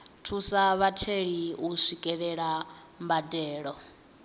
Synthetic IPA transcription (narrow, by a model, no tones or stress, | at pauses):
tʰusaβatʰeɺiuʃikʼɛɺɛɺa | mbadɛːɺɔ